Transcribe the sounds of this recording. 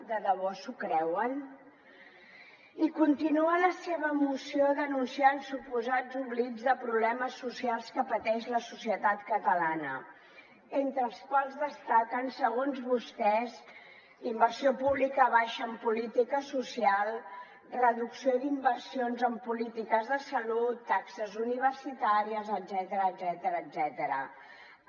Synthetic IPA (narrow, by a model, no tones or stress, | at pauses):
d̪əðəβɔsukɾɛwən | ikunt̪inuələseβəmusioðənunsiansupuzad͡zuβlid͡zðəpɾuβlɛməsːusialˠskəpət̪ɛʃləsusiət̪at̪kət̪əlanə | ent̪ɾəːlˠskwalˠzðəst̪akənsəɣonzβust̪ɛz | imbərsiopuβlikəβaʃəːmpulit̪ikəsusialˠ | rəðuksiod̪imbərsionzəmpulit̪ikəzðəsəlut̪ːaksəzuniβ̞ərsit̪aɾiəzəd̪zɛt̪əɾəːd̪zɛt̪əɾəːd̪zɛt̪əɾə̰